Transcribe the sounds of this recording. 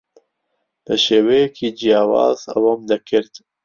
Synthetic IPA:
ləʃeːwejɛkʰiːd͡ʒijɑːwɑ̰ːza̰waːmd̪ɐkʰɪɾd̪

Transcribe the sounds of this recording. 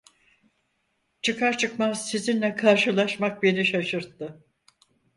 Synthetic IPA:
t͡ʃʰɯkʰaɾt͡ʃʰɯkmasizinlʲɛkʰaɾʃɯlˠaʃmak̚beniʃaʃɯɾt̪ːɯ

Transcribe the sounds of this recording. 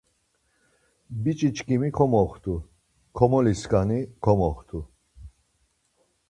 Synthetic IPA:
bit͡ʃʼit͡ʃʰʼkʼimikʰɔmɔχt̪ʰu | kʰɔmɔliskʼanikʰɔmɔχt̪ʰu

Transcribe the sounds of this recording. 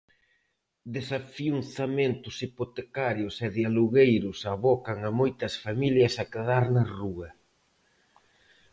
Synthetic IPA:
d̪esafiunθament̪ʊsipot̪ekaɾjʊsɛðjaluɣejɾʊsaβɔkɐŋɐmojt̪ɐsfamiljɐsɐkeðaɾnɐruɐ

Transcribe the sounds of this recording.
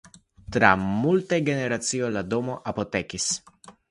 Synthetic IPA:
t̪ɾa̰mult̪eɡeneɾat̪siojlad̪omoʔapot̪ekis

